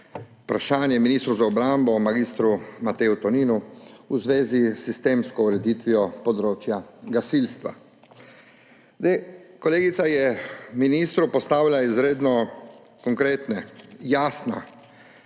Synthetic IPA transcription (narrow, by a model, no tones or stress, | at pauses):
upɾaʃaːnjɛminiːst̪ɾuwzaɔbɾambɔmaɡiːst̪ɾumat̪ɛːut̪ɔniːnuuzʋeːzisːist̪eːmskɔuɾɛd̪iːt̪ʋiɔpɔd̪ɾoːt͡ʃjaɡasilst̪ʋa̰ | d̪ekɔleːɡit̪sajɛminist̪ɾupɔst̪aːwlʲaizɾeːd̪nɔ | kɔŋkɾeːt̪nɛjaːsna̰